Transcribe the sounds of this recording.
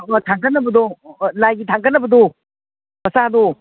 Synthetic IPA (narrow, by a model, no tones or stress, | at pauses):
tʰaŋkʰɐnːɐbɐd̪ɔlajɡitʰaŋkʰɐnːɐbɐd̪ɔ | mɐsad̪o